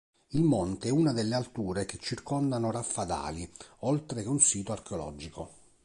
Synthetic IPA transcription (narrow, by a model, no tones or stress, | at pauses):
ilmɔnt̪eɛunad̪elːealt̪uːɾek̟et͡ʃːirkɔnd̪anorafːad̪a̰ːliɔlt̪ɾekeunsiːt̪oarkeolɔ̰ːd͡ʒiko